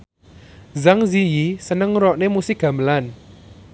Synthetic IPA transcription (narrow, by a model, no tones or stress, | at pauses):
zaŋzijisənəŋɾɔʔnemusɪɡ̥a̤məlan